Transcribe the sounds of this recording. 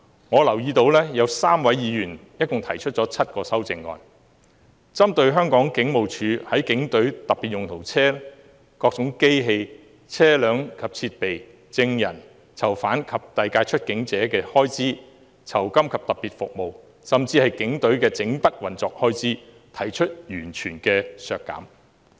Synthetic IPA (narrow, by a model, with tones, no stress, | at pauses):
ŋɔː˨˧lɐ˨˩wjiː˧t̪o˧wlɛː˥jɐ˨˧wsaː˥mwɐ˨˥jːiː˨˧jyː˨˩njɐ˥t̚kʊ˨ŋt̪ʰɐ˨˩jt͡ʃʰɵ˥t̚t͡ʃɔː˨˧˥t͡sʰɐ˥t̚kɔː˧sɐ˥wt͡sɪ˨˧ŋːɔ̰ː˨˧n | t͡sɐ˥mt̪ɵ˧ɥɦœː˥ŋkɔː˨˥ŋkɪ˨˥ŋmo˨wt͡ʃʰyː˨˧hɐ˨˥jkɪ˨˥ŋt̪ɵ˨˥ɥt̪ɐ˨piː˨t̚jʊ˨ŋt̪ʰo˨˩wt͡sʰɛː˥ | kɔː˧k̚t͡sʊ˨˥ŋke˥jɦe˧j | t͡sʰɛː˥lœː˨˥ŋkʰɐ˨p̚t͡sʰiː˧t̚pe˨j | t͡sɪ˧ŋjɐ˨˩n | t͡sʰɐ˨˩wfaː˨˥nkʰɐ˨p̚t̪ɐ˨jkaː˧jt͡ʃʰɵ˥t̚kɪ˨˥ŋt͡sɛː˨˥kɛː˧hɔː˥jt͡siː˥ | t͡sʰɐ˨˩wkɐ˥mkʰɐ˨p̚t̪ɐ˨p̚piː˨˩t̚fʊ˨k̚mo˨w | sɐ˨mt͡siː˧hɐ˨jkɪ˨˥ŋt̪ɵ˨˥ɥkɛː˧t͡sɪ˨˥ŋpɐ˥t̚wɐ˨nt͡sɔː˨k̚hɔː˥jt͡siː˥ | t̪ʰɐ˨˩jt͡ʃʰɵ˥t̚jyː˨˩nt͡ʃʰyː˨˩nkɛː˧sœː˨kːɐ̰ː˨˥m